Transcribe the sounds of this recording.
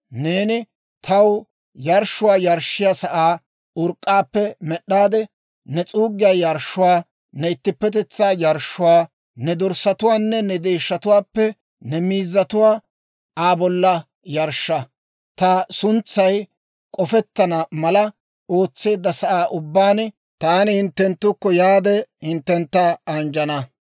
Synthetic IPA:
neːnɪ | t̪ʰɐw | jɐɾʃʊwaːjɐɾʃːɪjasɐʔaː | ʊɾkʼːaːpːɛmɛɗːaːd̪ɛ | nɛt͡sʼuːɡɪjaːjɐɾʃːʊwaː | nɛɪt̪ːɪpːɛt̪̬ɛt͡sːaːjɐɾʃːʊwaː | nɛd̪ɔɾsɐt̪ʊwaːnːɛnɛd̪e̞ːʃːɐt̪ʊwaːpːɛ | nɛmiːzːɐt̪ʊwaː | aːbɔlːɐ | jɐɾʃːɐ | t̪ɐsʊnt͡sːɐj | kʼɔfɛt̪ːɐnɐmɐlɐ | o̞ːt͡sːe̞ːd̪ːɐsɐʔaːʔʊbːaːn | t̪aːnɪhɪnt̪ːɛnt̪ːʊkːɔjaːd̪ɛhɪnt̪ːɛnt̪ːɐɐnd͡ʒɐnɐ

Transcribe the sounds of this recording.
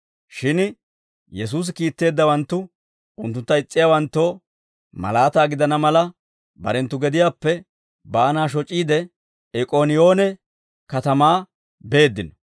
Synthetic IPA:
ʃɪn | jɛs̬uːs̬ɪkiːt̪ːe̞ːd̪ːɐwɐnt̪ːʊ | ʊnt̪ːʊnt̪ːɐɪt͡sʼːɪjaːwɐnt̪ːo̞ː | mɐ̰laːt̪aːɡɪd̪ɐnɐmɐlɐ | bɐ̰ɾɛnt̪ːʊɡɛd̪ɪjaːpːɛ | baːnaːʃ̬ɔt͡ʃʼːiːd̪ɛ | ɛkʼoːnɪjo̞ːnɛ | kɐt̪ɐmaː | be̞ːd̪ːɪnɔ

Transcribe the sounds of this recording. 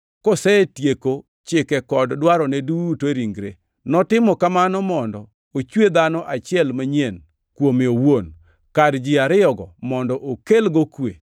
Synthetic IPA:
kɔsɛtjeko | t͡ʃɪkɛkɔddwaɾɔnɛduteɾiŋɡɾe | nɔtɪmɔkamanɔmɔndɔ | ot͡ʃwed̪anɔʔat͡ʃɪɛlmaɲen | kwomeowon | kadd͡ʒɪaɾɪɔɡɔmɔndɔʔokelɡɔkwḛ

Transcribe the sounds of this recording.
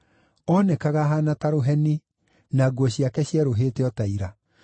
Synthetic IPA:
ɔnɛkaɣaɦanataɾoɦɛni | naɡwɔɕiakɛɕiɛɾoɦeːteɔtaiɾa

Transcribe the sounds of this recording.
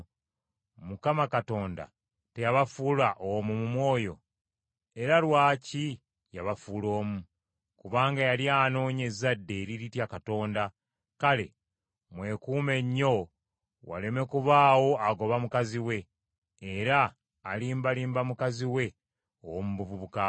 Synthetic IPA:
mukamakato̞ːnda̰ | te̞jaβafuːlaʔomumumwo̞ːjo | e̞ɾalwaːci | jaβafuːlo̞ːmu | kuβaːŋɡajaljano̞ːɲe̞zadːe̞ːɾiɾitjakato̞ːnda | kale̞̰ | mwe̞kuːme̞ɲːo̞ | wa̰le̞me̞kuβaːwo̞aɡo̞βamukaziwe̞ː | ɾaː | liːmbaliːmbamukaziwe̞ | owmuβuβuβuka

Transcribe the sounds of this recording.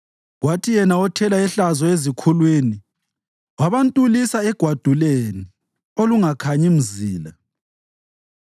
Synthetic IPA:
ɣwatʰijɛnaɔtʰɛlaɛɬazɔezikʰulwini | waβantʼulisaɛɡ̥ʱwad̥ʱuleni | oluŋakʰaɲim̩ziːla

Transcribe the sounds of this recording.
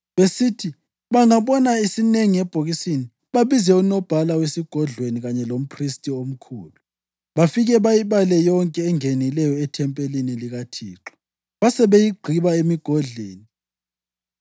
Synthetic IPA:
βesitʰi | βaŋaβɔnaisineŋiɛb̥ʱoɣisini | βaβizɛunɔb̥ʱalawesiɡ̥ʱɔɮweniɣaɲɛlom̩pʰristʼiom̩kʰṵːlu | βafiɣɛβajiβalɛjɔŋkʼɛːŋenilɛjɔɛtʰɛmpʼeliniliɣatʰḭːǁɔ̥ | βasɛβejiɡ͡ǃʱiβaemiɡ̥ʱɔɮweːni

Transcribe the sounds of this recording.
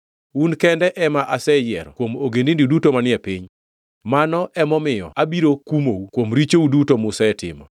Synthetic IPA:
unkɛndɛʔɛmaʔasɛjɛ̰ɾɔkwomoɡendindidutomanɪɛpiɲ | manɔʔɛmɔmɪjɔ̰ʔabiɾokumoukwomɾit͡ʃoudutomʊsaɛtɪ̰mɔ̰

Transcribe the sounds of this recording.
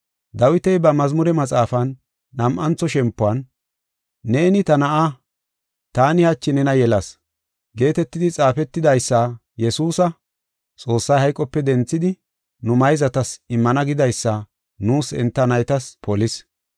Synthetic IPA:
d̪ɐwɪt̪ɛjbɐmɐzmʊɾɛmɐt͡sʼaːfɐnː | ɐmʔɐnt͡sːɔʃɛmpːʊɐnː | e̞ːnɪt̪ɐnɐʔa | t̪aːnɪhɐt͡ʃːɪnɛnɐjɛlɐs | ɡe̞ːt̪ɛt̪ːɪd̪ɪt͡sʼaːfɛt̪ːɪd̪ɐjsːa | jɛsuːsɐ | t͡sʼo̞ːsːɐjhɐjkʼːɔpːɛd̪ɛnt͡sːɪd̪ɪ | nʊmɐjzɐt̪ɐsɪmːɐnɐɡɪd̪ɐjsːɐ | nuːsɛ̰nt̪ːɐnɐjt̪ɐspʰɔlɪs

